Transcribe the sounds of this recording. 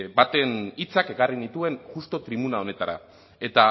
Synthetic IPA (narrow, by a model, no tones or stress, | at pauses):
bat̪e̞nit͡sake̞karinit̪ue̞nʝust̪o̞t̪ɾiβunao̞ne̞t̪aɾa̰ | e̞t̪a